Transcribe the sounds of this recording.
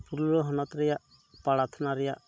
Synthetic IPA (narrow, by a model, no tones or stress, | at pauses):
puɾɔɦɔnɔt̪ɾɛjaʔ | paɽat̪ʰnaɾɛjaʔ